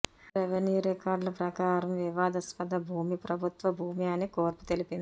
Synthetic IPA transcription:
ɾeʋeniːɾekaːɾɖlɐpɾɐkaːɾɐmʋiʋaːd̪ɐspɐd̪ɐbʱuːmipɾɐbʱut̪ʋɐbʱuːmiɐnikoːɾpu̥t̪e̞lipind̪i

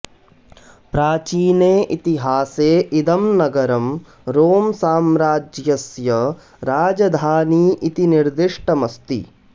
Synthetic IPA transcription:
pɾaːt͡ʃiːneːʔit̪iɦaːseːʔid̪ɐmnɐɡɐɾɐm | ɾoːmsaːmɾaːd͡ʒjɐsjɐ | ɾaːd͡ʒɐd̪ʱaːniːʔit̪iniɾd̪iʂʈɐmɐst̪ḭ

